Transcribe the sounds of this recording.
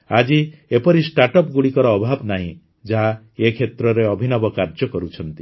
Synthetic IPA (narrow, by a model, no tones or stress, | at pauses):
ad͡ʒiepɔɾisʈaʈɔp̚ɡuɽikɔɾɔːbʱabnaɦḭ̃ | d͡ʒaɦa | ekʰet̪ɾɔɾeɔbʱinɔbɔkaɾd͡ʒjɔkɔɾut͡ʃʰɔnt̪i